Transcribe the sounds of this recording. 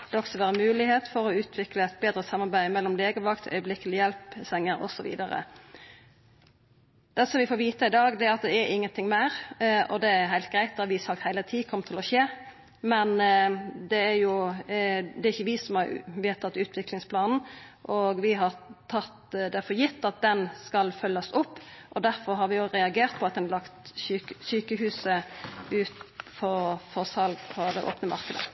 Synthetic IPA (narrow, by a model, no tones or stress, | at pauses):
d̪ɔksɔʋæːɾəmʉːlɪheːt̪fɔɾɔʉːt̪ʰʋɪkləɛt̪̚beːd̪ɾəsɑmːɑɾbæɪmɛlːɔmleːɡəʋɑkt̪ʰœ̰ʏəblɪkəlɪjɛlpsɛŋːəɾɔ̰sɔʋḭːd̪əɾə̰ | d̪̥ɛsɔmʋɪfoːɾʋiːt̪əɪd̪ɑːɡd̪ɛɑt̪̚d̪ɛɛɾɪŋːənt̪ɪŋmæɾɔ̰d̪ɛæɾɦæɪlt̪̚ɡɾæɪt̪̚d̪ɑʋɪsɑk̚t̪hæɪlət̪ʰiːkʰɔmt̪ʰɪlɔʃeː | mɛn | d̪ɛæɾjʊ | d̪ɛɾɪçəʋɪsɔmhɑɾʋɪhɑt̪ʰɑt̪ːʉːt̪ʰʋɪklɪŋspʰlɑːnn̩ʔoɡʋɪɦɑɾt̪ʰɑt̪d̪ɛfɔjɪt̪ːɑt̪̚d̪ɛnskɑlfœlːɑsʊpːʔɔd̪æɾfɔɾɦɑɾʋɪoɾɛɑɡeːɾʁt̪̚pʰɔɑt̪̚d̪ɛnlɑkt̪syːksyːkəɦʉːsəʉːt̪fɔɾfɔʁsɑlɡpʰɔd̪ɛʔo̰ːpnəmɑ̰ɾkəd̪ə̰